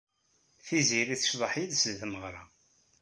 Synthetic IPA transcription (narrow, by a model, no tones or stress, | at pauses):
θiziɾiθəʃðˤəħiðsðməʁɾˤɑ